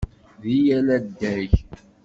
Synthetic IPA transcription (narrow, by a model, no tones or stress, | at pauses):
ðijælæd̪ːæç